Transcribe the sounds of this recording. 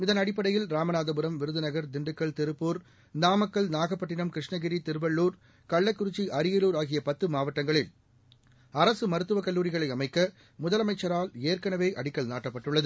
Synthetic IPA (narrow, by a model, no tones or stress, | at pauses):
ɪðɐnɐɽɪpːɐɽɐjɪlɾaːmɐnaːðɐbɯɾɐmʋɪɾɯðɯnɐɣɐɾd̪ɪɳɖɯkːɐɭt̪ɪɾɯpːuːɾ | naːmɐkːɐɭnaːɣɐpːɐʈːɪnɐmkɾɪʂɳɐɣɪɾit̪ɪɾɯbɐɭːuːɾ | kɐɭːɐɪkːʊɾɯt͡ʃːiʔɐɾɪjɐluːɾaːɣɪjɐpɐt̪ːɯmaːʋɐʈːɐŋɡɐɭɪl | ɐɾɐsɯmɐɾɯt̪ːɯʋɐkɐlːuːɾɪɣɐɭɐɪɐmɐɪkːɐ | mʊðɐlɐmɐɪt͡ʃːɐɾaːleːrkɐnɐʋeːʔɐɽɪkːɐɭnaːʈːɐpːɐʈːɯɭːɐðɯ